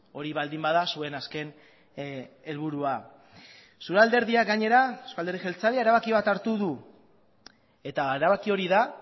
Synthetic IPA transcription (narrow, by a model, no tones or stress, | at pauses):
o̞ɾiβald̪imbaðasue̞naske̞n | e̞lβuɾua | suɾald̪e̞ɾðiaɡaɲe̞ɾaskald̪ɾðixelt͡saleaeɾaβakiβ̞at̪aɾt̪uðu | e̞t̪aɾaβakio̞ɾiða